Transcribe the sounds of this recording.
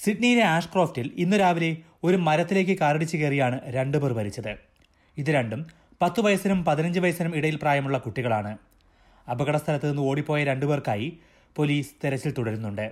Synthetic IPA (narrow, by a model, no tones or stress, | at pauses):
siʈnijine̞aːʂkroːftilinːuɾaːʋile̞ | o̞ɾumɐɾɐt̪ːile̞ːkːɨkaːɾɐɽit͡ɕːɨkerijaːɳɨɾe̞ɳɖubeːrʋɐɾit͡ɕːɐðɨ | iðɨɾe̞ɳɖum | pɐt̪ːɨʋɐjɐsɐnumpɐðinɐɲd͡ʑɨʋɐjɐsɐnumiɽɐjilpraːjɐmuɭːɐkuʈːiɣɐɭaːɳɨ | ɐbɐɣɐɽɐst̪ʰɐlɐt̪ːienːɨo̞ːɽipːo̞ːjɐɾe̞ɳɖuberkaːji | po̞liːst̪eɾɐt͡ɕːilt̪uɽɐɾunːuɳɖɨ